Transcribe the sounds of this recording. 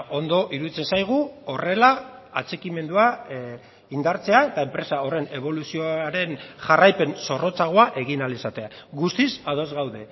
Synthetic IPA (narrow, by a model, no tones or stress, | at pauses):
o̞nd̪o̞ʔiɾuðit͡se̞nsajɣ̞uo̞re̞laːt͡se̞kime̞nd̪ua | ind̪aɾt͡se̞ae̞t̪ae̞mpɾe̞sao̞re̞ne̞β̞o̞lusio̞aɾe̞nʝarajpe̞nso̞ro̞t͡saɣ̞oaʔe̞ɣ̞inalisat̪e̞aɣust̪isað̞o̞zɣawðe̞